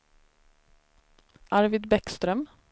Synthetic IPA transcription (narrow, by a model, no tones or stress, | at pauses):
ʔaɾvɪd̪bɛkst̪ɾœm